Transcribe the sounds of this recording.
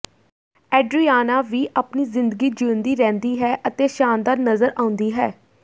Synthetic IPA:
ɛːɖɾiːaːnaːʋiːʔapniːzɪ̃nd̪əɡiːd͡ʒiːənd̪iːɾɛ̃ːnd̪iːɦɛːʔət̪eːʃaːnd̪aːɾnəzəɾãːʊ̃nd̪iːɦɛː

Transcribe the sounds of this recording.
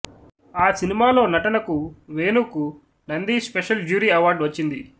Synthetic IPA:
aːsinimaːlo̞ːnɐʈɐnɐkuʋeːnuːku | nɐnd̪iːspeʃɐld͡ʒuːɾiːɐʋaːɾɖʋɐt͡ʃːind̪i

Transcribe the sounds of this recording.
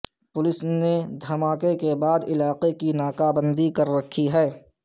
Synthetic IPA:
pʊlɪsned̪ʱɐmaːkekebaːd̪ɪlaːqekinaːkaːbə̃nd̪ikɐɾːɐkʰiɦɛː

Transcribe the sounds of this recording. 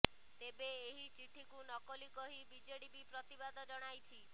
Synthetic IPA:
t̪ebeːɦit͡ʃiʈʰikunɔkɔlikɔɦibid͡ʒeɽibipɾɔt̪ibad̪ʱɔd͡ʒɔɽ̃ajt͡ʃʰi

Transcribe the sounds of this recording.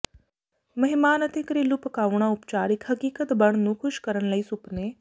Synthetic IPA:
mɐɦɪmaːnət̪ekɾelʊpkaːʋɽ̃aʊpt͡ʃaːɾɪkʰɦɐkiːkət̪bɐɳ̃nũːkʰʊʃkəɾənləiːsʊpneː

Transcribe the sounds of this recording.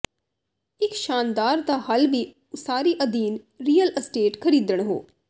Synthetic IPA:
ɪkʃaːnd̪aːɾd̪aːhəlʋiː | ʊsaːɾiːʔəd̪iːn | ɾiːələsʈeːʈkʰəɾiːd̪əɳ̃ɦo̰ː

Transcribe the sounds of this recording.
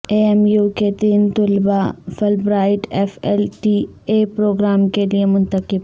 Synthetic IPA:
eemjuket̪iːnt̪ʊlbafʰɐlbɾaːɪʈefelʈi | epɾoːɡɾaːmkeliemʊ̃nt̪əkɪb

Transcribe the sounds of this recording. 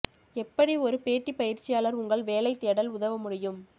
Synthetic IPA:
ɛpːɐɽiɔɾɯpeːʈːipɐjɪɾt͡ʃːɪjaːlɐɾʊŋɡɐɭʋeːlɐɪt̪ːeːɽɐlʊðɐʋɐmʊɽɪjɯm

